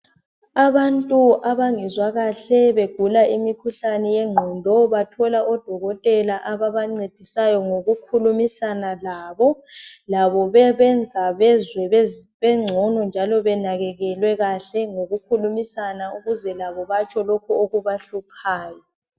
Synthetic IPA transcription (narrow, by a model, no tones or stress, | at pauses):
aβantʼuʔaβaŋɛzwaɣaɬɛβeɡ̥ʱulaimikʰuɬanɛjɛŋ͡ǀʱɔndʱɔβatʰɔlaʔɔd̥ʱɔɣɔtʼɛlaʔaβaβaŋ͡ǀed̥ʱisajɔŋoɣukʰulumisanalaːβɔlaβɔβɛβɛnd͡zʱaβɛzwɛβɛŋ͡ǀʱɔnɔnd͡ʒʱalɔβɛnaɣɛɣɛlwɛɣaɬɛŋoɣukʰulumisanauɣuzɛlaβɔβat͡ʃʰʼɔlokʰuoɣuβaɬupʰaːjɔ